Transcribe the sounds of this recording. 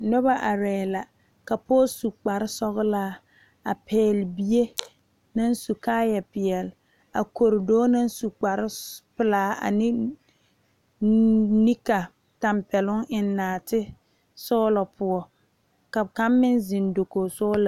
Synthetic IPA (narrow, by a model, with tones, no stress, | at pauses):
nɔ˦ba˦ʔa˨ɾɛː˨la˨ | ka˨po˦su˨k͡pa˨ɾɪ˦sɔ˦ɣlaː˦ | a˨pʰɛː˦lbi˦je˦ | na˦n˦su˨kaː˦jɛ˨pɪ˨jɛ˨l | a̰˨ko˨ɾɪ˨doː˦na˦n˦su˨k͡pa˨ɾɪ˦pɪ˨laː˦a̰˨nɪ˦ | ni˦ka˨ | ta˨mpɛ˨lʊ˦ŋʔɪ˨nːaː˨tɪ˦ | sɔː˦lɔ˨pʰʊ˨ɔ˨ | ka˨ka˦mːɪ˦nzɪ˨ndo˨ko˨sɔ˦la˨